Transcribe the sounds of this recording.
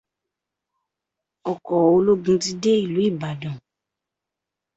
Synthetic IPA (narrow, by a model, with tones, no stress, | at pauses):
ɔ˨kɔ˨o˧lo˦ɡũ˦ti˦de˦i˦˨lu˨˦i˦˨ba˨dɔ̃˨